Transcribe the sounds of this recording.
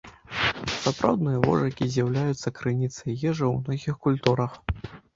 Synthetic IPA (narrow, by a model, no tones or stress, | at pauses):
sapɾʔa̰wd̪nɨjɐvɔ̰ʐɐkʲizʲjawlʲajut̪sːɐkɾɨnʲit̪sɐjjɛʐɐwnɔɣʲixkulʲt̪uɾɐx